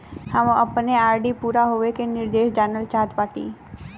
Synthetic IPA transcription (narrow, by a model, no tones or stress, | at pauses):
hãʋõɐpneaːɾɖipuːɾaɦoːʋekenɪɾd̪eːʃd͡ʒaːnəlt͡ʃaːd̪paːʈḭː